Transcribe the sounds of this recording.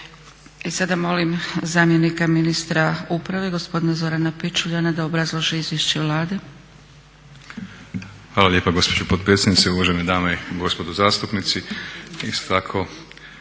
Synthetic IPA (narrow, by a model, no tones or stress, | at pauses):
isad̪amo̞limzaːmje̞nikaminist̪ɾaupɾaʋe̞ɡo̞spo̞d̪inazo̞ɾanapit͡ʃuʎanad̪aobɾazlˠoʒiizʋjeʃt͡ɕeʋlˠaːd̪e | xʋaːlˠaljeːpaɡo̞spod͡ʑopot̪̚pɾet̪sʲjed̪nit̪seuʋaʒened̪aːmeiɡo̞spo̞d̪uzaːst̪upnit̪siist̪o̥t̪akʰo̞